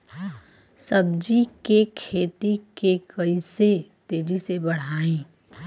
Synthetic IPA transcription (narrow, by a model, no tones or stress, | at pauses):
səbd͡ʒikekʰeːt̪ikekəɪset̪eːd͡ʒisebəɽ̤aːẽː